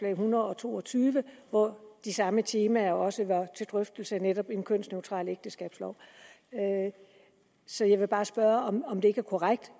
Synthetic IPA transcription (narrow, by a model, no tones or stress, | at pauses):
lɛ̰ɪɦunɐðˠɒ̽t͡sʰo̝̰ːɒ̽t͡sʰyːʋəʋɒd̥isɑ̈mət͡sʰe̝ːmæɐɒ̽səʋɑ̈t͡sʰe̝ld̥ʁœfd̥l̩səneɾɒ̽b̥enkʰøn̰sneʊt͡sʰʁɑ̰̈ːleɡ̥̚d̥əsɡ̥ɛ̰ːb̥slɒʊ̰ | sɒ̽jɑ̈ɪʋe̝b̥ɑ̈ːsb̥ɶɐɒmɒ̽md̥e̝e̝ɡ̥æɐkʰɒʁaɡ̥̚d̥